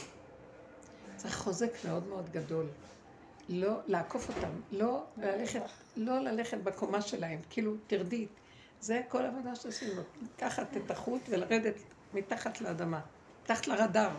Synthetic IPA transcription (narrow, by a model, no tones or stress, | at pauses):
t͡sʁiχχo̞ze̞kme̞o̞dmeo̞dɡado̞l | lo̞laːko̞fo̞tamlo̞elaleχet̪ | lo̞lale̞χetbekomaʃe̞lahemkiilutiʁdit | ze̞ko̞lavodaʃeosimlolakaχatetaχutvelaʁede̞t | mitaχatleːdama | kaχḁtlaʁadaʁ